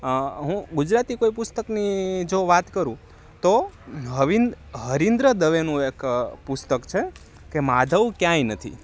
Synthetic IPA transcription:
ɦũɡud͡ʒɾat̪ikoipʊst̪əknid͡ʒoʋat̪kəɾũ | t̪oɦəʋin | ɦəɾind̪ɾəd̪əʋenũekpʊst̪əkt͡ʃʰe | kemad̪ʱəʋkjãinət̪ʰḭ

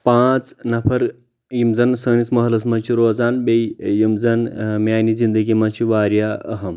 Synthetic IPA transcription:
pãːt͡snɐpʰɐɾ | jimzɐnsəːnismɐɦlɐs̬mɐnt͡ʃʰiɾoːzaːnbejjimzɐnmʲjaːnizind̪əɡimɐnt͡ʃʰiʋaːɾjaːɐ̰ɦɐm

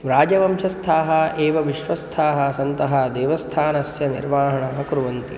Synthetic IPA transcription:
ʋɾaːd͡ʒɐʋɐmʃɐst̪ʰaːɦɐ̆ʔeːʋɐʋiʃʋɐst̪ʰaːɦɐ̆sɐnt̪ɐɦɐd̪eːʋɐst̪ʰaːnɐsjɐnḭɾʋaːɦɐɳɐɦɐkɾuʋɐnt̪ḭ

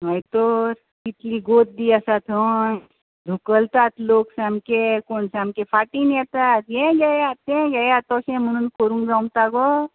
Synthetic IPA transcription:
ɦəjt̪oɾ | kit̪liɡot̪̚d̪iasat̪ʰon | d̪ʱukəlt̪at̪loːksamkekonsamkefʰaʈinɛt̪at̪jẽɡajat̪ẽɡajat̪ɔsẽmənunkoɾũŋɡd͡zãmt̪aɡɔ

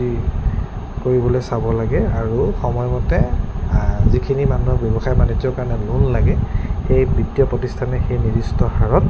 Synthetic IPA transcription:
i | koɹibɔlojsabɔlaɡɛaɹuxɔmɔjmɔtɛ | zikʰinimanuɦɔk̚bjɔbɔxajbanizɔkaɹɔnɛlunlaɡɛxejbɹitːijɔpɹɔtistʰanɛxejnidistɔxaɹɔt̚

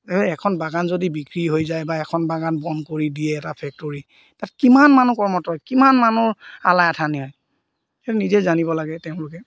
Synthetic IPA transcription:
ekɔɛkʰɔnbaɡanzodibikɹiɦojzajbaɛkʰɔnbaɡanbɔnkoɹidiɛːtapʰɛk̚toɹi | tatɛ̥kimanmanukɔɹmɔtɔjkimanmanuɹa̰lajatʰaniɦɔj | ɛtunizɛzanibɔlaɡɛteʊ̃lʊkɛ

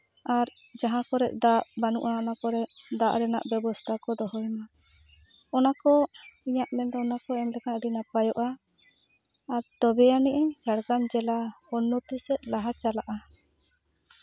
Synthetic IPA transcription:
aɾ | d͡ʒaɦãkɔɾɛʔd̪aʔbanuʔaɔnakɔɾɛd̪aʔɾɛna̰ʔbɛbɔst̪ʰakɔd̪ɔɦɔjma | ɔnakɔiɲaʔmɛnd̪ɔɔnakɔɛmlɛkaɖinapajɔʔa | aɾt̪ɔbɛjanɛʔɛd͡ʒaɽɡamd͡ʒɛlaɔnːɔt̪isɛʔ̪̚laɦat͡ʃalaʔa

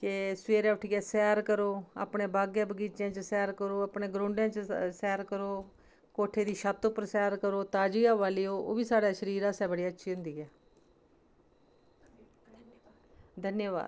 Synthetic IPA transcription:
kesʋeːɾɛːʋɪʈʰiːɛːsɛːɾkəɾoːa̰ːpɳeːbaːɡjãːbəɡiːt͡ʃãːt͡ʃəsɛːɾkəɾoːaːpɳeːɡɾõːɳɖjãːt͡ʃsɛːɾkəɾoː | koːʈʰeːd̪iːʃaːt̪ʊpəɾsɛːɾkəɾoːt̪ãːd͡ʒiːaːʋaːliːoːʔo̰ːʋiːsaːɽaːʃəɾiːɾaːsɛ̃ːbəɽiːətːʃʰiːɦʊ̃nd̪iːɛː | d̪ʱənjəʋa̰ːd̪

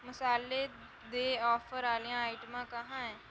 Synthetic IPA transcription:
mɐsaːlːe | d̪eːɔːfəɾaːlijãaːɪʈmãkɐɦãɦɛ̃ː

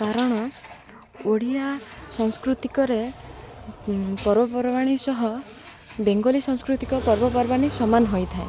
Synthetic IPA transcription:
kaɾɔɽ̃ɔ | oɽ̤iasɔŋskɾut̪ikɔɾe | pɔɾbɔpɔɾɔbaɽ̃isɔɦɔ | beŋɡɔlisɔ̃ŋ̃skɾut̪ikɔpɔɾbɔpɔɾbaɽ̃isɔmanɔɦojt̪ʰae

